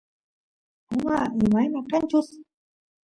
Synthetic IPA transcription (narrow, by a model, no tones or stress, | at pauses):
ʊmaɪmajmaqant͡ʃʊs